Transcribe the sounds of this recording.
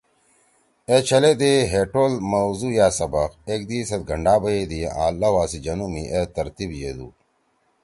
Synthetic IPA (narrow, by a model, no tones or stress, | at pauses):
et͡ɕʰɐled̪eɦeːʈoːlmɐwzuːjaːsɐbɐqeːk̚d̪iːsɐt̪̚ɡʱɐɳɖaːbɐjeːd̪ia̰ːlːɐwaːsid͡ʑɐnumiʔeːt̪ɐɾt̪ibjeːd̪ṵː